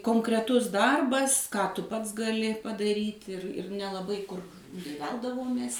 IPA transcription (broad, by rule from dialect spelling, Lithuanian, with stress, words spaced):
koːŋkrʲɛˈtʊs ˈdɐrbɐs kɑː ˈtʊ ˈpɐts ɡɐˈlʲɪ pɐdɐˈrʲiːtʲ ɪr ɪr nʲɛlˠɐˈbɐɪ kʊr nʲɛɪ ˈʋʲɛlˠdɐʋoːmʲeːs